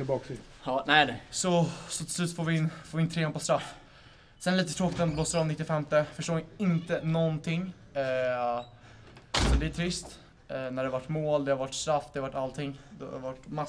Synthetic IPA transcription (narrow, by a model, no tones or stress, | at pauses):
ɪbɑːksɪ | hɑːnɛɪd̪ɛsɔsɔt̪ʰɪ̥slʉ̟ːt̪foːɾvɪɪnːfoːɾvɪnt̪ʰɾeːanpɔst̪ɾafː | sɛnliːt̪ət̪ʰɾoːkɪt̪ɔnd̪bloːsəɾɔmnɪt̪ːɪfɛmt̪əfœʂʈoːɪɪnt̪ənɔnt̪ʰɪŋː | sɔd̪ɛæʈʰɾɪst̪ː | næɖɛhavaʈːmoːld̪ɛhaɾvaʈːst̪ɾafːd̪ɛavaʈːalt̪ʰɪŋːd̪ɛ̰vaʈːma